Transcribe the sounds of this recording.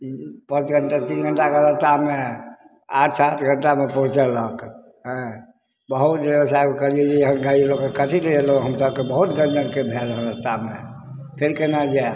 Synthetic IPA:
pə̃t͡ʃɡʱəɳʈat̪inɡʱəɳʈaɡəɾət̪ame | aʈʰsat̪ʰɡʱəɳʈamepəɦũt͡ʃelək | ɦə̃ | bəɦut̪bewəsajkəɾied͡ʒeəɦənɡailokːekəʈʰileeloɦəmsəbkebəɦut̪ɡə̃nd͡ʒənkebʱelɦənəst̪ame | pʰeɾkenad͡ʒa

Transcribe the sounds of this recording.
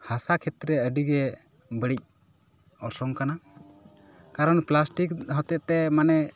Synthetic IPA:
hasakʰɛt̪ɾɛəɖiɡɛ | bəɽic̚ | ɔɾsɔŋkana | kaɾɔnplasʈikɦɔt̪ɛʔt̪ɛmanɛ

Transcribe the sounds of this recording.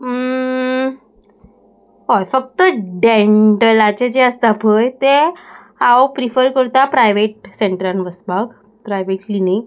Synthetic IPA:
ɦojfək̚t̪əɖeɳʈəlat͡ɕed͡ʑeəst̪apʰəjt̪e | apɾifəɾkəɾt̪apɾajʋeʈ̚seɳʈəɾanʋəsbaɡ | pɾajʋeʈlinak

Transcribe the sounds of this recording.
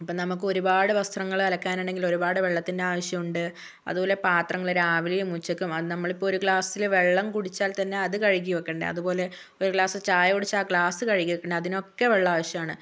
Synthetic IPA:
ɐpːɐːnɐmuk̬ːɨo̞ɾubaːɽɨʋɐst̪ʰrɐŋːɐɭɐlɐkːaːnuɳɖeŋɡilo̞ɾubaːɽɨʋe̞ɭːɐt̪ːinde̞aːʋɐɕjɐmuɳɖɨ | ɐ̰ðubo̞ːle̞paːt̪rɐŋːɐɭoɾaːʋilijumut͡ɕːɐkʲːumɐnɐmːɐɭipːooɾukɭaːsilʋe̞ɭːɐmkuɽit͡ɕːaːlt̪ɐnːe̞ɐðɨkɐɻik̬ːiʋɐkːeɳɖɨ̰ɐ̰ðubo̞ːle̞ | o̞ɾukɭaːsɨt͡ɕaːjɐkoɽit͡ɕːaːkɭaːsɨkɐɻikʲːiʋɐkːeɳɖɨɐðino̞kːe̞ʋe̞ɭːɐaːʋɐɕjɐmaːɳɨ

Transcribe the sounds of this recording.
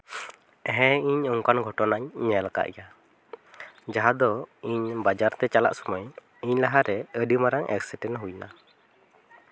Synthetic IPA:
ɦɛ̃iɲɔŋkanɡʱɔʈɔnaɲːɛlaka̰ʔja | d͡ʒaɦad̪ɔiɲbad͡ʒaɾt̪ɛt͡ʃala̰ʔsɔmaj | iɲlaɦaɾɛəɖimaɾaŋʔɛ̰ksiʈɛnɦujna̰

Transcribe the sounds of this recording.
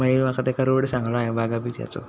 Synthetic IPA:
məɭimakat̪ekaɾoɽsãŋɡlaaɦebaɡabit̪ja̰t͡so̰

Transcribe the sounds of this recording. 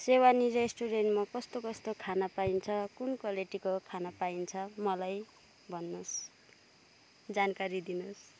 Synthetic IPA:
sewaniɾesʈuɾenʈmakʌst̪okʌst̪okʰanapaint͡sʰʌkunkʌleʈikokʰanapaint͡sʰʌmʌlaj | bʱʌnːos | d͡zankaɾid̪inos

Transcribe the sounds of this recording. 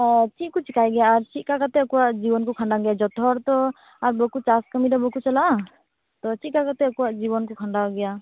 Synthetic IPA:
t͡ʃit̪̚kɔt͡ʃikajɡɛjaːɾt͡ʃikakat̪ɛkɔwaʔd͡ʒibɔnkɔkʰaɳɖaɡɛjad͡ʒɔt̪ɔɾt̪ɔ | aɾbɔkut͡ʃaskəmidɔbɔkut͡ʃalaʔ | t̪ɔt͡ʃit̪̚kakat̪ɛkɔwaʔd͡ʒiβɔnkɔkʰaɳɖaɡɛja

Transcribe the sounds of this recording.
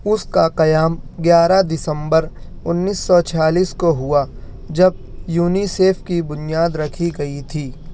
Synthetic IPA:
ʊskaqɐjaːmɡjaːɾad̪ɪsə̃mbəɾ | ʊnːiːsːɔt͡ʃʰaːliːskoɦʊa | d͡ʒɐb̚juːniseːpʰkibʊnijaːd̪ɾɐkʰiɡɐit̪ʰiː

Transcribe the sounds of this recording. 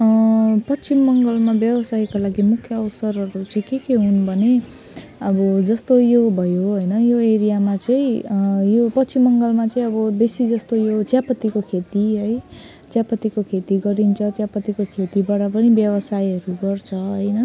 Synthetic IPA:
pʌt͡simːʌŋɡʌlmabjʌbʌsajkalaɡimukʰjʌːwsʌɾɦʌɾut͡sʌĩkekeɦunbʱʌne | ʌbʌd͡zʌst̪ojobʱʌjoɦʌjnʌjoeɾijamat͡sʌĩjopʌsimːʌŋɡʌlmat͡sʌĩʌbʌbesid͡zʌst̪ojot͡sjapʌt̪ːikokʰet̪iɦʌj | t͡sjapʌt̪ikokʰet̪iɡʌɾint͡sʰʌt͡sjapʌt̪ikokʰet̪ibaɽʌpʌnibjʌβʌsajɦʌɾuɡʌrt͡sʰʌɦʌjnʌ

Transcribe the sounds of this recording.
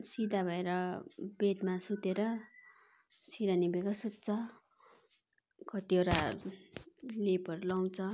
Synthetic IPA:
sid̪ʱabʱʌeɾʌbeʈmasut̪eɾʌ | siɾanibekasut̪̚t͡sʰʌ | kʌt̪ioɾa | lepʌɾulʌw̃t͡sʰʌ

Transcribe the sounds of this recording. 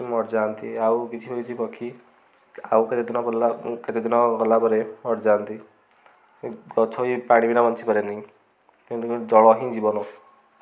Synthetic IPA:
imɔɾd͡ʒant̪iawkit͡ʃʰipɔkit͡ʃʰipɔkʰi | awket̪id̪inɔkɔlaket̪id̪inɔkɔlapɔɾemɔɽd͡ʒant̪i | ɡɔt͡ʃʰɔipaɽ̃ibinabɔnt͡ʃʰipɔɾeniĩ | kĩnt̪kd͡ʒɔɭɔɦĩd͡ʒibɔnɔ

